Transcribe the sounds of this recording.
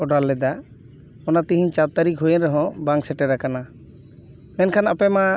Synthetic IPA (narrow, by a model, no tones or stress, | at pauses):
ɔɖalːɛd̪a | ɔnat̪ĩɦĩɲt͡ʃat̪aɾikɦujɛnɾɛɦɔ̃baŋksɛʈɛɾakana | mɛnkʰanapɛma